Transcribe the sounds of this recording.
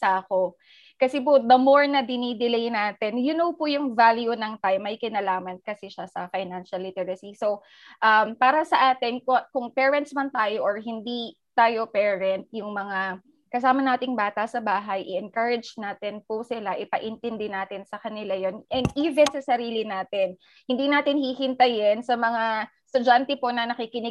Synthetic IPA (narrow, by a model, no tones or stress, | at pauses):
sɐʔɐko̞ | kɐsɛp̬od̪ɐmoɹnɐd̪ɪnid̪ɪlejnaːt̪ɛnjʊnowpʊjʊŋvaljunɐŋt̪aːjmɐjkɪnalaːmɐnkɐsɛʃasɐfɐjnanʃɐlːɪt̪ɛɹɐsisow | ʔɐmpaːɾɐsɐʔaːt̪ɪnkokʊŋpɛːɹɛnt̪smɐnt̪aːjoʔoɹɦɪnd̪i | t̪aːjo̞pɛːɹɛnt̪̚jʊŋmɐŋa | kɐsaːmɐnaːt̪ɪŋbaːt̪ɐsɐbaːɦɐjʔɪ̰ʔɛnkɐɹɛd͡ʒnaːt̪ɪnpʊsɪlaʔɪpɐʔɪnt̪ɛnd̪ɛnaːt̪ɪnsɐkɐnɪlajonʔɛnd̪ʔiːvɛnsɐsɐɾiːlɪnaːt̪ɪn | hɪnd̪iːnaːt̪ɪnhihɪnt̪ɐjɪnsɐmɐŋa | st̪ʊd͡ʒant̪ɛpo̞nɐnɐkiːkɪnɪ